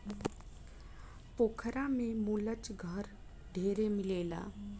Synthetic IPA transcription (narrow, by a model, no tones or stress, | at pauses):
poːkʰɾamẽmuːlət͡ʃɡʱəɾ | ɖʱeːɾemɪleːla̰ː